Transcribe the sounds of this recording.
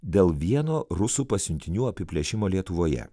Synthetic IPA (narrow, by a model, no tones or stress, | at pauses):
d̪ʲeːlˠʋʲiɛnoːɾʊsuːpɐsʲʊnʲt̪ʲɪnʲuːɐpʲɪpʲlʲɛʃʲɪmoːlʲiɛt̪ʊʋoːjɛ̰